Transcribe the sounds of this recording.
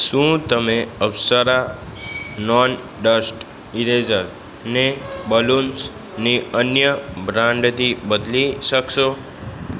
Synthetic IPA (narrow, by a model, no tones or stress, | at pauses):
ʃũt̪əmeəʋsəɾa | nɔn | ɖəsʈ | iɾed͡ʒəɾ | nebəluns | niənjəbɾãɳɖt̪ʰibəd̪liʃəkʃo